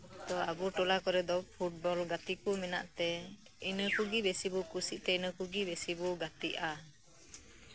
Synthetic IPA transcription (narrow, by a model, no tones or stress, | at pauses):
t̪ɔabuʈɔlakɔɾɛd̪ɔpʰuʈ̚bɔlɡat̪ikumina̰ʔt̪ɛ | inəkuɡibɛsibukusiʔ̚t̪ɛinəkuɡibɛsibuɡat̪iʔa